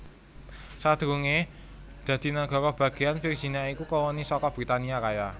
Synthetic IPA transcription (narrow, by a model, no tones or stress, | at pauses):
sad̪̥ɾuŋe | d̪̥ä̤d̪̥i̤naɡ̥ɔ̤ɾɔb̥ä̤ɡ̥ejanfir̥ʒ̥i̤niaikukɔwɔnisɔkɔb̥ɾit̪aniakaja